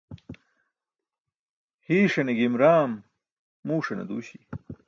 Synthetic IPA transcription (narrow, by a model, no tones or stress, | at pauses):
hiːʂɐneɡimɾaːmː | uːʂɐnɐ̰d̪ṵːɕi